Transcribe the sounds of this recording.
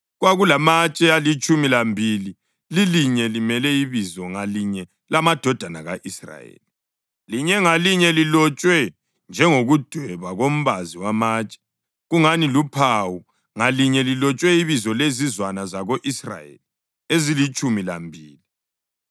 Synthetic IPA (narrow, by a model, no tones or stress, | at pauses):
ɣwaɣulamat͡ʃʼɛalit͡ʃʼumilambʱili | liliɲɛlimɛlɛiβizɔŋaliɲɛ | lamad̥ʱɔd̥ʱanaɣa̰ʔisra̰jḛli | liɲɛŋaliɲɛlilɔt͡ʃʼwɛ | nd͡ʒʱɛŋoɣud̥ʱwɛβaɣom̩βaziwamaːt͡ʃʼɛ̥ | ɣuŋanilupʰawu | ŋaliɲɛlilɔt͡ʃʼwɛiβizɔlezizwanazaɣoʔisra̰jḛli | ezilit͡ʃʼumila̰mbʱiːli